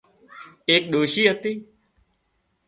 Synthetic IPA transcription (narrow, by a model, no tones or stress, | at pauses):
eːk̚ɗoːʃiːɦət̪iː